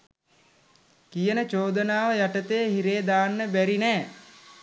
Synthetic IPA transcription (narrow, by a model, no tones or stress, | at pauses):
kijənət͡ʃoːd̪ənaːʋəjaʈət̪ejəɦiɾeːd̪aːnːəbæɾinɛː